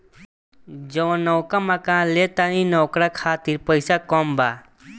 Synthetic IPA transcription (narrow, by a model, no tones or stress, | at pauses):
d͡ʒɔʋ̃nɔwkamakãːlet̪aninɔkɾakʰaːt̪iɾpəjsakɔmba